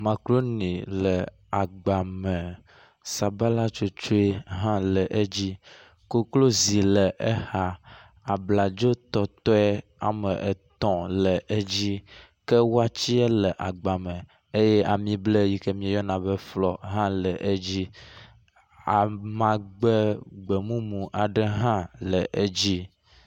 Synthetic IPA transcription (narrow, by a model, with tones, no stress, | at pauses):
mã˨klo˦nĩ˨lə˨ | a˨ɡ͡ba˨mɛ̃˨ | sa˨ba˦la˦t͡ʃo˦t͡ʃo˦e˦ɦã˦lə˨ʔe˦d͡ʑi˦ | ko˦klo˦zi˨lə˨ʔɛ˦ha˦ | a˨bla˨d͡ʒo˦t̪ɔ˨t̪ɔ˦ɛ˦a̰˨mɛ˨ʔɛ˨t̪ɔ̃˨lɛ˨ʔe˦d͡ʑi˦ | kɛ˦wo˦a˦t͡ɕi˦ɛ˦lə˨ʔa˨ɡ͡ba˨mɛ̃˨ | e˦jɛ˦ʔa˨mĩ˦ble˦ji˦kɛ˦mĩ˦˨jɔ˦nã˨bɛ˦flɔ˨ɦã˦lɛ˨ʔe˦d͡ʑi˦ | a˨mã˨ɡ͡bɛ˦ɡ͡bɛ˨mũ˦mũ˨ʔa˨ɖɛ˦ɦã˦lə˨ʔe˦d͡ʑi˦